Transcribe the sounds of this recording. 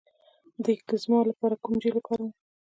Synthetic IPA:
d̪əkəzmɑlapɑɾakumd͡ʒelapʰɑɾa

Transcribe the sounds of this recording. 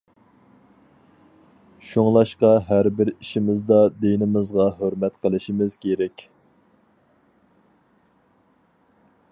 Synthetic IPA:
ʃoŋlˠɑʃqɑɦæɾbɪɾiʃimɪzd̪ɑd̪enɪmɨzʁɑɦøɾmɛt̪qʰəlˠɨʃimɪz̥kʲʰeɾɛkʲ

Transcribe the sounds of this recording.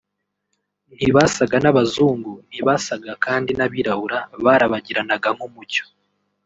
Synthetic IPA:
n̥hiβasaɡanaβazuːŋɡun̥iβasaɡakaːndinaβiɾahuɾaβaɾaβaɟiɾanaɡaŋ̥humuco̥

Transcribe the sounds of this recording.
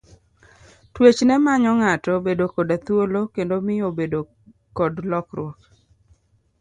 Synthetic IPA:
twet͡ʃnɛmaɲɔŋatɔbedokɔdat̪wolokendomɪobedo | kɔdlɔkɾwɔk

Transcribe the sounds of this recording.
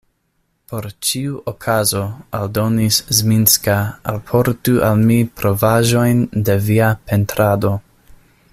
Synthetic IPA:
po̞ɾt͡ʃiuʔokʰazo̞aldo̞niszminskaa̰lpʰo̞ɾtuʔalmipɾo̞vaʒo̞jnde̞viape̞ntɾado̞

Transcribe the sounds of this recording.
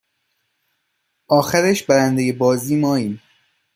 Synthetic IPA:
ʔɒːxæɾeʃbæɾænd̪ejebɒːziːmɒːiːn

